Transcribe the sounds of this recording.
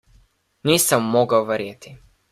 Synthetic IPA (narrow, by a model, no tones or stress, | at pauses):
nisəmːɔɡɐwvɛɾjɛt̪ʰi